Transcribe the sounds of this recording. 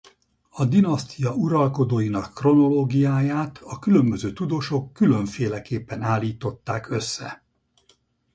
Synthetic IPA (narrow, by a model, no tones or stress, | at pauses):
ɒd̪inɒst̪ʰijɒuɾɒlko̞d̪oːjinɒkːro̞no̞loːɡijaːjaːt̪ʰɒkylø̞mbøzøːt̪ud̪oːʃo̞kːyløɱfeːlɛkeːpːɛnaːlːiːt̪o̞t̪ːaːkʰø̞sːɛ̰